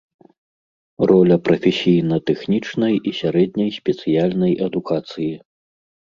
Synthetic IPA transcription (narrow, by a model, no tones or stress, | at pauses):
rɔlʲɐpɾɐfʲɛsʲijnɐt̪ɛxnʲit͡ʂnɐjisʲaɾɛd̪ʲnʲɐjsʲpʲɛt̪sɨjalʲnɐjʔɐd̪ukat̪sɨji